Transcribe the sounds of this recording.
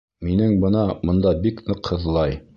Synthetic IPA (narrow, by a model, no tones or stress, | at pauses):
minɘŋbɤ̆nɑmŏnd̪ɑbiknɤqhɤ̆ðlˠɑj